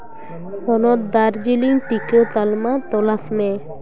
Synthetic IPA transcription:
hɔnɔt̪̚d̪aɾd͡ʑiliŋʈiket̪almat̪ɔlasme

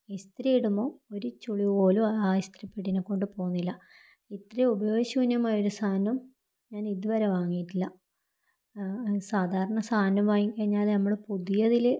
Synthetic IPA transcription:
ist̪rijiɽumbo̞ːoɾut͡ɕuɭioːluaːist̪ripːeʈːinekːo̞ɳɖɨpo̞ːɣunːilːɐ | it̪reubɐjoːɕuːnjumaːjoɾusaːnːɐm | ɲaːniðuʋɐɾeʋaːŋːijitːilːɐ | saːd̪ʱaːɾɐɳɐsaːnɐmaːjiŋkɐɻiɲːaːlnɐmːuɽepuðijɐðil

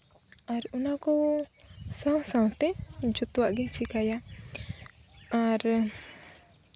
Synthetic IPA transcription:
aɾunakɔ | sãw̃sãw̃t̪ɛd͡ʒɔt̪ɔwaʔɡɛt͡ʃʰikaja | aɾ

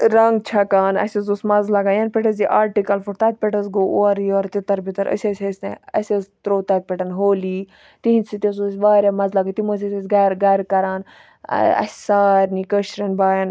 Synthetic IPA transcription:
ɾɐŋɡ̚t͡ʃʰɐkaːnɐ̰sʲɐzusmɐzlɐɡajɐnpʲeʈɐziʔaːɾʈikɐlfuɾt̪ɐːt̪̚pʲeʈɐsɡoʔoɐɾjoɾt̪it̪ɐɾbit̪ɐɾə̰sʲɐsʲɐsʲneɐ̰sʲɐzt̪ɾoːt̪ɐt̪̚ʲpʲeʈɐnɦoːli | t̪iɦinsit̪ʲes̬os̬ʲʋaːɾʲamɐzlɐɡɐt̪imos̬ʲɐsʲɐsʲɡɐɾɡɐɾkɐɾaːn̰ | ɐ̰sʲsaːɾʲnikəʃɾɐnbaːjɐn

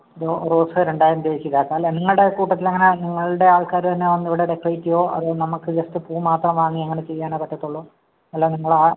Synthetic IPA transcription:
ɐðoroːsɨɾeɳɖaːjɾɐmd̪eːt͡ɕːiðaːkːaɐlːɐniŋːɐɭɽe̞kuːʈːɐt̪ːilɐŋːɐne̞niŋːɐɭuɽe̞aːɭkaːɾut̪ɐnːeʋɐnːiʋiɽe̞ɾekrɐjitːijo̞ːʔɐ̰ðɨnɐmukːɨd͡ʑɐstɨpuːmaːt̪rɐmʋaːŋːiɐŋːɐnet͡ɕe̞jːaːnokɐʈʰːɐt̪ːuɭːo | ɐlːoːniŋːɐɭa

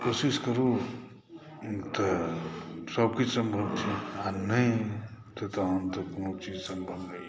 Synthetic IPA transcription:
kosiskəɾu | t̪ə | səb̚kit͡ʃsəmbʱəbt͡ʃʰianəĩt̪ət̪ːnt̪əkonot͡ʃid͡ʒsəmbʱəb

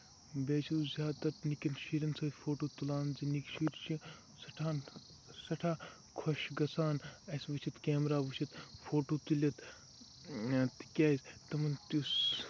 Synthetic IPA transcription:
beːt͡ʃʰizʲaːd̪t̪ɐt̪nikinʃiːɾɐnsɐfʰoːʈoːt̪ulaːnzinikʃiːɾt͡ʃʰi | sɐʈʰaːn | sɐʈʰaː | kʰoʃɡɐsʰaːnɐsʋɨt͡ʃʰit̪keːmɾaːʋɨt͡ʃʰit̪fʰoːʈoːt̪ulʲɐt̪ | t̪i̥kʲaːzʲt̪ɐmɐnt̪us

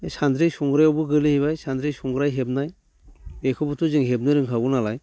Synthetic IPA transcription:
sand̪ɾijsɔŋɡɾajɔwbɯɡɯlihiβajsandɾijsuŋɡɾajɦeb̚naj | ekʰɔbutʰuzɯŋɦebnɯɾɯŋkʰaɡunalaj

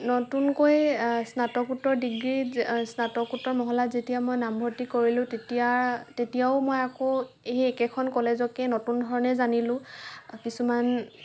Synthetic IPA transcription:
notunkojsnatɔkutːɔɹdiɡɹisnatɔkutːɔɹmɔɦɔlazetijamojnambʱɔɹtikoɹilʊ̃tetiatetijaʊmojako | eɛkɛkʰɔnkɔlezɔkɛnotundʱɔɹɔnɛzanilʊ̃kisuman

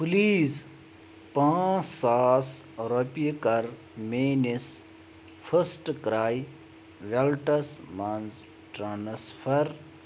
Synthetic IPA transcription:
pliːz | pãːsaːs | ɾopikɐɾ | meːnis | fʰɐsʈkɾaːj | ʋelʈɐsmɐnz | ʈɾaːnsfɐɾ

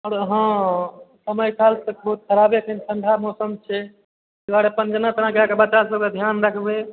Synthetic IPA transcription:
ɔɾɦə̃ | səməjkalsəkbəɦut̪̚kʰəɾabekʰensʰəɳɖʱamɔsəmt͡ʃʰɛ | aɾepənd͡ʒənat̪ənãkeakebət͡ʃasləkəd̪ʱjanɾakʰbe

